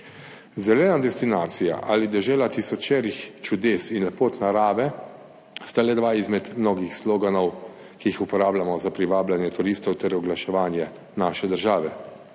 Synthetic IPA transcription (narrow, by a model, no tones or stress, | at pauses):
zɛlɛːnad̪ɛst̪inaːt̪sija̰ʔa̰ːlid̪ɛʒɛːlat̪isɔt͡ʃɛːɾixt͡ʃud̪eːsinlɛpoːt̪naɾaːʋɛ | st̪alɛd̪ʋaizmɛt̪mnoːɡixslɔːɡanɔw | kiixupɔɾaːblamɔzapɾiʋaːblanjɛt̪uɾiːst̪ɔwt̪ɛɾɔɡlaʃɛʋaːnjɛ | naːʃɛd̪əɾʒaːʋɛ